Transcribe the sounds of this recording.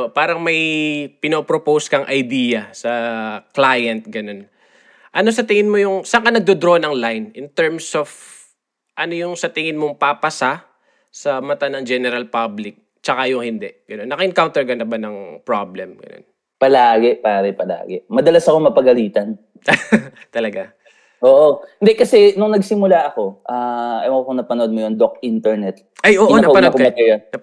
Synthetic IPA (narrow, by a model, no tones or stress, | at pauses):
paːɾɐŋmɐjpɪnopɾopowskɐŋʔɐjd̪iːjɐsɐklajɐnt̪̚ɡɐno̞n | ʔɐno̞s̬ɐt̪ɪŋɪnmojʊŋsɐkanɐɡ̚d̪od̪ɾo̞nɐŋlajnʔɪnt̪ɛɹmsof | ʔɐno̞jʊŋsɐt̪ɪŋɪnmoŋpapɐsa | sɐmɐt̪anɐŋd͡ʒɛnɛɾɐlpablɪk̚ | t͡ʃɐkajʊŋhɪnd̪ɛʔɡ̥ɐno̞nːɐkɐʔɪŋkawnt̪ɛɹɡɐnɐbanɐŋpɹablɛmɡɐ̰no̞̰n | pɐlaːɡɛpaːɾɛpɐla̰ːɡɛmɐd̪ɐlasɐko̞mɐpɐɡɐliːt̪ɐn | t̪ɐlɐɡa | ʔoːʔohɪnd̪ɛkɐsɛnʊŋnɐɡsɪmʊlaʔɐko̞ʔaːʔɐjoŋkoŋnɐpɐnoʔod̪̚mojond̪okʔint̪ɛɹnɛt̪ | ʔajʔoːʔoɐnɐoɐɐkpmɐt̪ɛjɐɐ